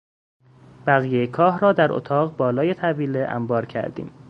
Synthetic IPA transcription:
b̥æɣiːjejekʰɒːɦɾɒːd̪æɾʔo̰t̪ʰɒːɣbɒːlɒːje̞t̪ʰæbiːleʔæ̰mbɒːɾcʰæ̰ɾd̪ḭːm

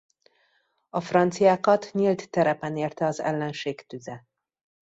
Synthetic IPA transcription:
ɒfrɒnt̪sijaːkɒt̪ɲilt̪ːɛɾɛpɛneːrt̪ɛɒzɛ̰lːɛnʃeːkt̪yzɛ

